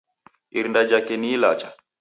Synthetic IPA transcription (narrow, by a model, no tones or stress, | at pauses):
iɾndad͡ʒakɛnila̰t͡ʃḁ